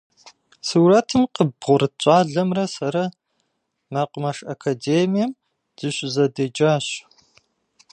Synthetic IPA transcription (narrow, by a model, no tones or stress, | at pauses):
suːrɐtʰɨmqəbʁʷʊɾɨt͡ʃʷʼaːɮɐmrɐsɐɾɐ | maːqʷʊmɐʂɐkʰɐdeːmijɐm | z̥ɨɕʷʼzɐdɐd͡ʒaːɕ